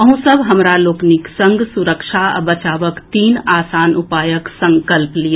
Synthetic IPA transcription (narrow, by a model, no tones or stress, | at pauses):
əɦũsəbʱɦɐmɾaloːknɪksɐ̃ŋɡsuɾəkʃa̰bɐt͡ʃaːʋəkt̪iːnaːsaːnʊpaːjəksɐ̃ŋkəlplija